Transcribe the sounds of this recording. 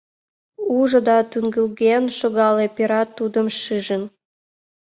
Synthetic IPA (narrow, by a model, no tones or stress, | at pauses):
uʒŏd̪ɑt̪yŋɡəlɣenʃoɣɑlepeɾɑt̪ːud̪əmʃɨʒən